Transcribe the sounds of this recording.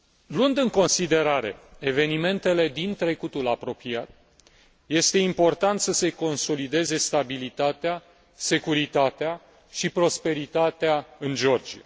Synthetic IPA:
lɨnd̪ɨŋko̞nsid̪e̞ɾaɾe̞̰eve̞nime̞nt̪e̞le̞d̪int̪ɾe̞kut̪ulapɾo̞piat̪̚ | je̞st̪e̞impo̞rt̪ant̪səse̞ko̞nso̞lid̪e̞ze̞st̪abilit̪at̪ea | se̞kuɾit̪at̪ea | ʃipɾo̞spe̞ɾit̪at̪eaɨnd͡ʒo̞rd͡ʒia̰

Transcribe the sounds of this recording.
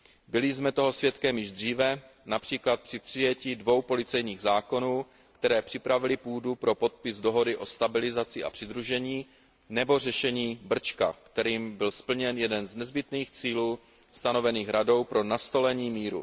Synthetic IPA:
bɪlɪzmɛt̪oɦo̞svjɛt̪kɛmjɪʒd̪r̝iːvɛ | napr̝̥iːklat̪̚pr̝̥ɪpr̥ɪjɛciːdvo̞wpo̞lɪt͡sɛjɲiːɣzaːko̞nuː | kt̪ɛɾɛːpr̥ɪpɾavɪlɪpuːdupɾo̞po̞t̪̚pɪzdo̞ɦo̞dɪʔo̞st̪abɪlɪzat͡sɪʔa̰pr̝̥ɪd̪ɾuʒɛɲiː | nɛbo̞r̝ɛʃɛɲiːbr̩t͡ʃka̰kt̪ɛɾiːmbɪlspl̩ɲɛnjɛdɛnznɛzbɪt̪niːxt͡siːluː | st̪ano̞vɛniːxɾado̞wpɾo̞nast̪o̞lɛɲiːmiːɾṵ

